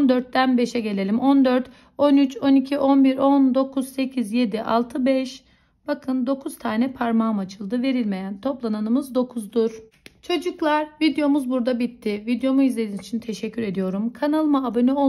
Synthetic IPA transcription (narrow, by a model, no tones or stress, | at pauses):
nd̪øɾt̪̚ːænbe̞ʃɛɟe̞lʲe̞lʲimʔo̞nd̪øɾt̪ | o̞nyt͡ʃo̞nicʰiʔo̞nbiɾo̞nd̪o̞kʰuz̥se̞cʰizje̞d̪iʔa̰lˠt̪ʰɯbɛʃ | b̥akʰɯnd̪o̞kʰuzt̪ʰaːnɛpʰaɾmaːmat͡ʃʰɯlˠd̪ɯve̞ɾilʲme̞jænt̪ʰo̞plˠananɯmɯzd̪o̞kʰuzd̪uɾ̥ | t͡ʃʰo̞d͡ʒuklˠaɾvid̪ejo̞muzbuɾd̪abit̪ʰːivid̪jo̞muizlʲed̪iːnit͡ʃʰint̪ʰe̞ʃɛcʰːyɾe̞d̪ijo̞ɾumkʰanalˠmaːbanɛo